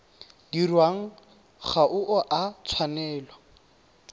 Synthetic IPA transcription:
dirwaŋ̩ | χaʔʊʔɔʔat͡sʰwanɛːlwa

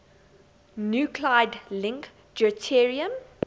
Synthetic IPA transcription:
njuːkʰlaɪdlɪ̃ŋk | d͡ʒətʰɛɹiə̃m

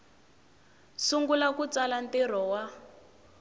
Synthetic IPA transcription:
suŋɡulakut͡salantir̤ɔwa

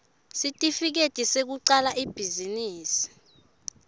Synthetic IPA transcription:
sitʼifik̬etʼisek̬uǀalaʔib̥ʱiziniːsi̥

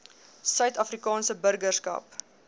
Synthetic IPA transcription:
sœɥtɐfrikɑːnsəbərɡərskɐ̰p

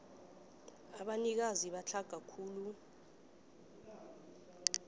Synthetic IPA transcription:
aɓanik̬aziɓat͡ɬʰaɡ̥ʱakʰuːlu

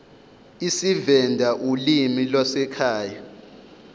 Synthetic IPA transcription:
isivɛndʱaʔulimilwasɛkʰaːja

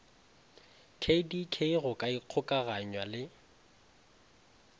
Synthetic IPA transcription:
kʰedikʰeiɣʊkʼaiq͡χʰʊkʼaɣaɲwalɪ

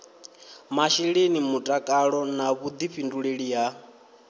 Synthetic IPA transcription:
maʃiɺenimutʼakʼaɺɔnaβud̪iɸinduɺeɺija

